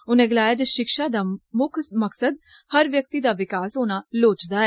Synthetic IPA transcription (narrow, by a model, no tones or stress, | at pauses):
ʊnẽːɡɪlaːjaːd͡ʒəʃɪkʃaːd̪aːmʊkʰməksəd̪̚ | həɾʋjək̚t̪iːd̪aːʋɪkaːsɦoːnaːloːt͡ʃd̪aːɛː